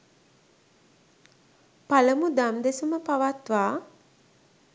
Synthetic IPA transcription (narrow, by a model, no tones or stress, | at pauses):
paləmud̪amd̪esuməpaʋat̪ʋaː